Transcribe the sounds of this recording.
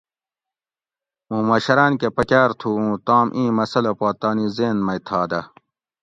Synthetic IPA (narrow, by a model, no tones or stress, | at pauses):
ũːmɐɕɐɾaːnkepɐkʲaːɾt̪ʰuːũːt̪aːmʔĩːmɐsɐlopaːt̪aːnizeːnmɐjt̪ʰaːd̪ɐ